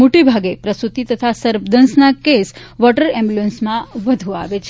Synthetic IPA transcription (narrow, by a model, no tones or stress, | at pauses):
moʈibʱaɡepɾəsut̪it̪ət̪ʰasəɾʋd̪ənsnakesʋɔʈəɾɛ̃mbluənsmãʋəd̪ʱũaʋet͡ʃʰ